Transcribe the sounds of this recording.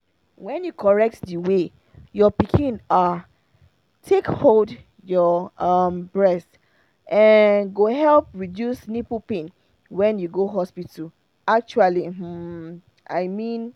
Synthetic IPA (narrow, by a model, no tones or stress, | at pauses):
wɛ̃njukʰɔɹɛk̚tdiwe | jɔpikʰĩna | tʰekhold | jɔʌmbɹɛst | ʔɛ̃nɡoɦɛlpɹidjusnipupẽn | wɛ̃njuɡoɦɔspit | ak̚t͡ʃualim̩ | ʔa̰ɪmĩn